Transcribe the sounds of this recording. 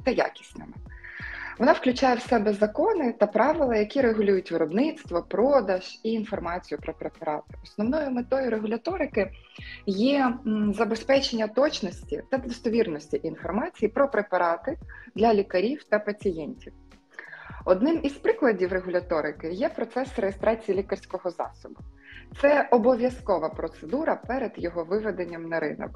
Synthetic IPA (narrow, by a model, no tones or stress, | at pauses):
t̪ɐja̰kʲi̥sʲnɪ̰mɪ | ʋɔnɑwklʲʊt͡ʃajɛwsɛbɛzɐkɔnɪt̪ɐpɾɑʋɪlˠɐjɐkʲiɾeɦʊlʲujʊtʲʋɪɾɔbnɪt̪st̪ʋɔpɾɔd̪ɐʒ̥iːnfɔrmɑt͡sʲijʊpɾɔpɾepɐɾɑt̪ɪ̥ɔsnɔwnɔjʊmet̪ɔjʊɾeɦʊlʲɐt̪ɔɾɪkɪjɛzɐbespɛt͡ʃenʲːɐt̪ɔt͡ʃnɔsʲtʲḭt̪ɐd̪ɔst̪ɔʋʲirnɔsʲtʲiʔinfɔrmɑt͡sʲijipɾɔpɾepɐɾɑt̪ɪd̪lʲɐlʲikɐɾʲiwt̪ɐpɐt͡sʲijɛnʲtʲiw | ɔd̪nɪmizpɾɪklˠɐdʲiwɾeɦʊlʲɐt̪ɔɾɪkɪjɛpɾɔt̪sɛsrejest̪ɾʔɑt͡sʲijilʲikɐrsʲkɔɦɔzɑ̰sɔbʊt̪sɛɔbɔʋʲjɐskɔʋɐpɾɔt̪sed̪uɾɐpɛɾed̪jɔɦɔʋɪʋed̪enʲːɐmnɐɾɪ̰nɔ̰k